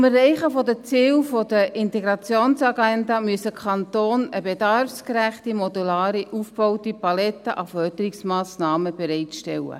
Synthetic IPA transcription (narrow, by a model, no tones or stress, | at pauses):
mɛrːɛɪχəfɔdət͡siːlfodəʔɪnteɡɾɑt͡sjoːnsɑɡɛndɑmyəsəkʰɑnt̪oːnəbedɑrfskɾæχtimɔdulaːɾiʔufb̥ɔʊtipɑlɛt̪ːəʔɑfœd̥əɾiksmɑːsnɑːməb̥ɛɾɛɪtʃtɛlːə̰